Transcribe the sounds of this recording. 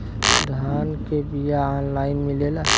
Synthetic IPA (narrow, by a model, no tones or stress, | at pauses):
d̪ʱaːnkebijaɔːnlaːɪnmɪ̃leːla